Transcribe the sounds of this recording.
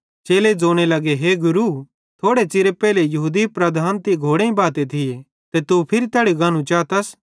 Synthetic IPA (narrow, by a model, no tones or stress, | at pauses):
t͡ʃeːled͡zoːɽ̃elɐɡeɦeɡʊɾu | t̪ʰoːɽet͡ʃɪɾepɛːlejɐɦuːd̪ipɾɐd̪ʱaːnt̪iɡʱoːɽẽĩbaːt̪et̪ʰɪe | t̪et̪upʰɪɾit̪ɛːɽiɡaːnũt͡ʃaːt̪ɐs